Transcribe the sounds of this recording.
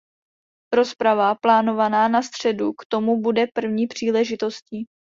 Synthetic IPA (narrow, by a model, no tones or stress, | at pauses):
ɾo̞spɾavaplaːno̞vanaːnast̪r̝̥ɛdukt̪o̞mubudɛpr̩vɲiːpr̝̥iːlɛʒɪt̪o̞sciː